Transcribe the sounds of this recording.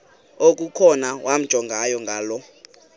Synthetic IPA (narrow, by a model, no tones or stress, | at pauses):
ok̬ʼukʰɔnawʔam̩̥ʒ̥ʱɔŋɡʱajɔŋɡʱaːlɔ